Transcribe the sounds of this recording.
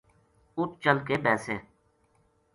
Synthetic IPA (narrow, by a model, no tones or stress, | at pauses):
ʊt̪̚t͡ʃəlkeːbɛːseː